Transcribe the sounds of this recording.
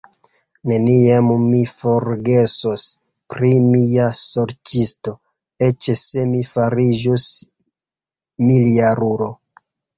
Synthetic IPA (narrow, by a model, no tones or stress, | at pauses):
ne̞niammifo̞ɾɡe̞sos | pɾimiaso̞ɾt͡ʃisto̞ | e̞t͡ʃese̞mifaɾid͡ʒos | miliaɾuɾo